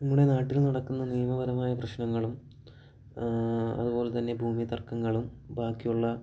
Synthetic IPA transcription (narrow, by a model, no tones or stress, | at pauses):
nɐmːuɽe̞naːʈːilnɐɽɐkːunːɐnijɐmɐbɐɾɐmaːjɐprɐɕnɐŋːɐɭum | ɐ̰ðubo̞ːlet̪ɐnːe̞bʱuːmit̪ɐrkːɐŋːɐɭumbʱaːkːijuɭːɐ